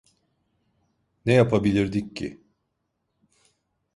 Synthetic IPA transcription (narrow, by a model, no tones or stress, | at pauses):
nɛjapʰabilʲiɾd̪iccːḭ